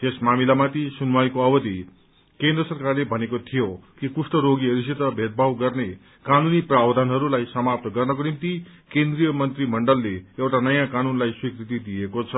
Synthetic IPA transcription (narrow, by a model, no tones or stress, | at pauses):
t̪esmamilamat̪isunuwajkoʌbʌd̪i | kend̪rʌsʌrkarlebʱʌnekot̪ʰijokipusʈʌɾoɡiʌɾus̬it̪ʌbʱet̪̚bʱawɡʌrne | kanuniprabd̪ʱanɦʌɾulajsʌmap̚t̪ʌɡʌrnʌkonimt̪ikend̪rijʌmʌnt̪rimʌɳɖʌlːeewʈanʌjãkanunlajswikrit̪id̪iekot͡sʰʌ